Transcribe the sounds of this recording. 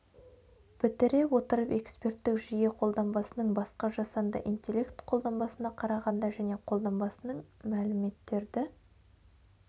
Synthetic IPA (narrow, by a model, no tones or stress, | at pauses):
pʰɪt̪ɪɾe̞wo̞t̪əɾəpe̞kspe̞ɾt̪ːɪkʒije̞qʰo̞lˠd̪ɑmbɑsənəɴbɑsqɑʒɑsɑnd̪ə̰ʔint̪ʲe̞lʲːe̞kt̪qʰo̞lˠd̪ɑmbɑsənɑqʰɑɾɑʁɑnd̪ɑʒæne̞qʰo̞lˠd̪ɑmbɑsənəɴmælɪme̞t̪ːe̞ɾd̪ɪ